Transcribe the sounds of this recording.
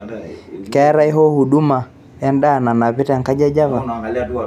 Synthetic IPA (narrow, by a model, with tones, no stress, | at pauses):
kɛ˨˦ɾa˦i˦ɦɔ˦hu˨ɗu˦ma˨ | ja˦ndaː˦˨na˨na˨βi˦ta˨ŋka˦d͡ʒa˦d͡ʒa˦βa˨